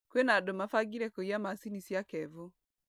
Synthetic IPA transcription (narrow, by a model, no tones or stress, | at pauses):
kwenadomafaɡiɾɛkojamasinisjakɛvo